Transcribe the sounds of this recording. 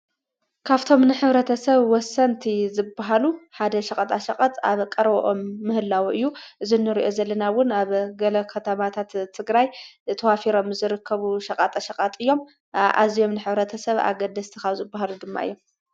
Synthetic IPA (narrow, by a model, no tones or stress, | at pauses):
kʰaβt̪ʰo̞mnɨħɨβɾɐt̪ʰɐsɐβwɔsɐnt̪ʰizɨbːaɦaluħad̪ɐʃɐkʼɐt̪ʼaʃɐkʼɐt̪ʼa̰βkʼɐɾɐβɐʔomːɨhɨlːawʔɨjːuʔɨzinːɨɾiʔo̞zɐlːɐnawʊnaβɡɐlɐkʰɐt̪ʰɐmat̪ʰat̪t̪ʰːɨɡɾajt̪ʰɐwafiɾo̞mzɨɾɨkʰːɐβuʃɐkʼat̪ʼaʃɐqʼat̪ʼɨjːo̞m | ʔa̰zijo̞mnɨħɨβɾɐt̪ʰɐsɐβa̰ɡɐd̪ɐst̪ʰikazɨbːaɦalud̪ɨmːa̰ʔɨjːo̞m